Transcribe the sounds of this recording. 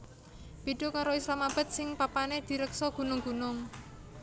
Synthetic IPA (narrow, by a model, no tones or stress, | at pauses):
b̥iɖ̥o̤kaɾoislamab̥a̤t̪̚sɪŋpapaned̪̥i̤ɾəksɔɡ̥ṳnʊŋɡ̥ṳnʊŋ